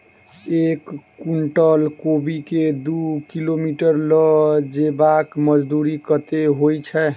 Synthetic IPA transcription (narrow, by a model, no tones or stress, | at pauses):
ekːuɳʈəlkobiked̪ukilomiʈəɾlɔd͡ʒebakməd͡ʒd̪uɾikət̪eɦojt͡ʃʰɛ